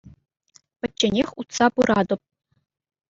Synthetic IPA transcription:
pʲɘ̆t͡ɕːenʲexʲut̪sɑpuɾʔɑd̪ɤ̆p̚

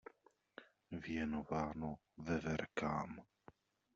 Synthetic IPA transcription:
vjɛnovaːno | vɛvɛɾka̰ːm

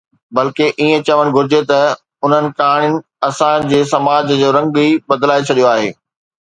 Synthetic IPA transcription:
bɐlkeʔiːẽt͡ɕɐʋəɽ̃ɡʱʊɾɪd͡ʑet̪ɐ | ʊn̤ənɪ̆kaːɽ̃ɪnɪ̆ | ɐsãd͡ʑeːsɐmaːd͡ʑd͡ʑoːɾɐ̃ŋɡibɐd̪laːet͡ɕʰɐɗijoaːɦḛː

